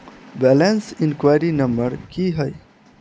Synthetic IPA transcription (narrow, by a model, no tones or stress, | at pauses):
bɛlensinkwajɾinəmbəɾkiɦəj